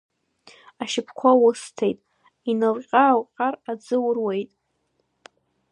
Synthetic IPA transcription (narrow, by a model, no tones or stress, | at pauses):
aʃɪpʰkʷʰawʊstʰejtʼ | inɨlqʲʼawqʲʼarad͡zɨwrwejtʼ